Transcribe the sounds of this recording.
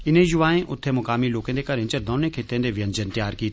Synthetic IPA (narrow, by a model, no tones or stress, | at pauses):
ɪnẽjʊʋaːẽʔʔʊt̪ʰːemʊkaːmiloːkẽnd̪ekɐɾẽt͡ʃəɾd̪ɔːnẽkʰeːt̪ẽnd̪eʋɪjə̃nd͡ʒənt̪ɪjaːɾkiːt̪ː